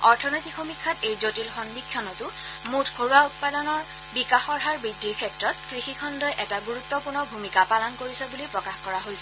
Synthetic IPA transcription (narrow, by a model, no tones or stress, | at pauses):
ɔɹtʰɔnojtikʰomikʰːatejzotilxɔndikʰːjɔnɔtʊ | mutʰkʰoɹuaut̚padɔnɔɹ | bikaxɔɹɦaɹbidːiɹkʰɛtɹɔtkɹixikʰɔndɔjʔɛtaɡuɹutːɔpunɔbʱumikapalɔnkoɹisɛbulipɹɔkaxkɔɹaɦojsɛ